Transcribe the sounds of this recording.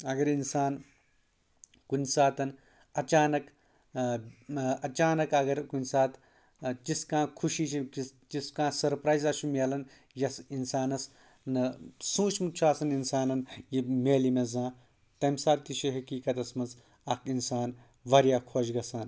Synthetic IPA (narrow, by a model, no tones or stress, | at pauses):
ɐɡɐɾinsaːn | kunʲsaːt̪ɐn | ɐt͡ʃaːnɐk | ɐt͡ʃaːnɐkɐɡɐɾkunʲsaːt̪ | t͡ʃiskãːkʰuʃiːt͡ʃʰiit͡ʃiskãːsɐɾpɾaːjzɐʃumʲeːlɐn | jɐsinsaːnɐs | nɨsũːt͡ʃʰmut͡ʃʰaːsɐninsaːnɐnjimeːlimezãː | t̪ɐmsaːt̪̚t̪iʃiɦɐkiːkɐt̪ɐsmɐnz | ɐkʰinsaːn | ʋɐɾjaːkʰoːd͡ʒɡɐsaːn